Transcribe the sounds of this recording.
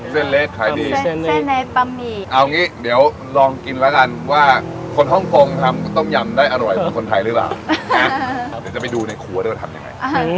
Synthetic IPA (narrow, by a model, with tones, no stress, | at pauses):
se˥˩nleː˦˥˩t̪̚kʰaː˩˦diː˧˥e˥˩nːa˧jpa˧mːiː˧˩ʔa˧wŋiː˦˥di˨˩˦əw | lɔː˧ŋki˧nlɛ˦˥ka˧nwaː˥˩ | kʰo˧nɦɔ˥˩ŋkʰo˧ŋt̪ʰa˧m˥˩t̪ɔ˥˩ŋja˧mdaː˥˩jʔa˧no˨˩jɔ˨˩˦kʰo˧nt̪ʰa˧jɾɯː˦˥pla̰ː˨˩wa˦˥di˨˦t͡ɕa˨˩pa˧jduː˧na˧jkʰu˨˩˦d̪ʰa˧mja̰˧ŋːa̰˧